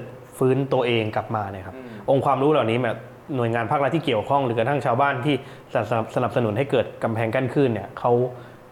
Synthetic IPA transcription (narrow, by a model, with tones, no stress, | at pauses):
t̪̚ | fɯː˦˥nt̪u˧ɐʔeː˧ŋka˨˩p̚maː˧na˦˥˩kʰa˦˥p̚ʔo˧ŋkʰwaː˧mɾuː˦˥laː˨˩wniː˦˥bɛː˨˩p̚ | nu˨˩əjŋaː˧npʰaː˥˩k̚a˦˥t̪ʰːiː˥˩ki˨˩əwkʰɔ˥˩ŋɾɯː˩˦ka˧t̪ʰa˥˩t͡ɕʰaː˧wbaː˥˩nt̪ʰiː˥˩ | sa˨˩p̚sa˧na˨˩p̚sa˧nu˩˦nɦa˥˩jkɤː˨˩t̪̚ka˧mpʰɛː˧ŋka˥˩nkʰɯ˥˩nːi˥˩ɐkʰa˦˥w